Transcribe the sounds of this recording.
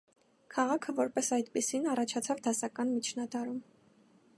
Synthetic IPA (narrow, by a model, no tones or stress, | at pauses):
kʰɑʁɑkʰəvɔɾpɛsɑjd̪pisinɑrɑt͡ʃʰɑt͡sʰɑvd̪ɑsɑkɑnmit͡ʃʰnɑd̪ɑɾum